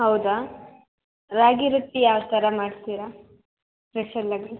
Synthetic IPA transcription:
ɦɐwd̪a | ɾaːɡiɾut̪ːijaːʋt̪ɐɾɐmaːɖt̪iːɾa | pɾeʃɐlːɐɡi

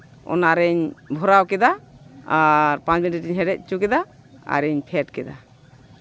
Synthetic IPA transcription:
ɔ̰naɾɛɲbʱɔɾawkɛd̪aaɾpãnt͡ʃminʈiʈiɲɦɛɾɛc̚t͡ʃukɛd̪a | a̰ɾɛɲpʰɛʈkɛd̪a

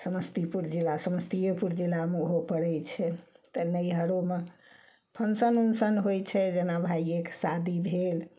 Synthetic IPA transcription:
səməst̪ipuɾd͡ʒilasəməst̪iepuɾd͡ʒilameɦopəɽɛjt͡ʃʰɛt̪ənəjɦəɾome | pʰənsənunsənɦojt͡ʃʰɛd͡ʒenabʱaieksad̪ibʱel

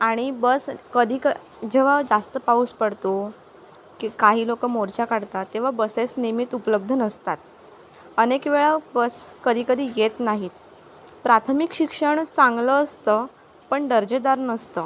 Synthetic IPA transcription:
aɽ̃ibəskəd̪ʱiːkə | d͡ʑeʋ̤ad͡zast̪əpauspəɽt̪o | kikaɦiːlokəmoɾt͡ɕakaɽt̪at̪ːeʋ̤abəsesnimit̪upələb̚d̪ʱənəst̪at̪ | ənekʋeɭabəskəd̪ʱiːkəd̪ʱiːjet̪naɦiːt̪ | pɾat̪ʰəmikɕikʂəɳt͡sãŋɡləːst̪ə | pəɳɖəɾd͡ʑed̪aɾnəst̪ə

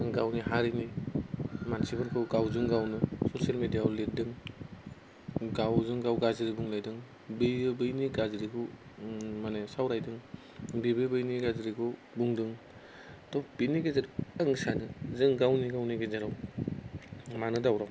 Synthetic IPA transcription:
ɡawniɦaɾini | mansibɯɾkʰɯɡawzɯŋɡawnɯsosialmedijauledɯŋ | ɡawzɯŋɡawɡaziɾibuŋlajdɯŋ | bebɯjniɡaziɾiɡʰɯ | manesawɾajdɯŋ | bebebɯjniɡaziɾikʰɯ | buŋdɯŋ | tʰɔpiniɡezeɾaŋsanɯzɯŋɡawniɡawniɡezeɾaw | manɯdawɾaw

